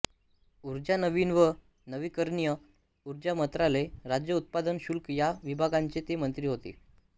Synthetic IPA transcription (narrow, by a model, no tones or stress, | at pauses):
uɾd͡ʑanəʋiːnʋə | nəʋiːkəɾɳijə | uɾd͡ʑamət̪ɾaleɾad͡ʑjəut̪̚pad̪ənɕulkjaʋibʱaɡãɲt͡ɕet̪emənt̪ɾiːɦot̪ḭː